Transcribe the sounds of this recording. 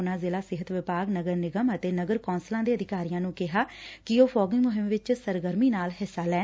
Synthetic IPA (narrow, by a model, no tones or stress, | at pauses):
ʊnãːzeːlaːsɪɦət̪ʋɪpaːɡnəɡəɾnɪɡəmət̪eːnəɡəɾkɔːnslãːd̪eːəd̪ɪkaːɾijãːnũːkɪɦaːkɪoːfʰɔːɡɪŋmʊɦɪmʋɪt͡ʃsəɾɡəɾmiːnaːlɦɪsːaːlɛː